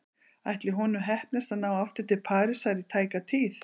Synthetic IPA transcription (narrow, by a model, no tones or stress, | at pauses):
ajht̪lɪɦɔnʏmɦɛhpnast̪anawaft̪ʏɾ̥t̪ʰɪlpʰaːɾɪsajɾɪt̪ʰaːjkat̪ʰiːθ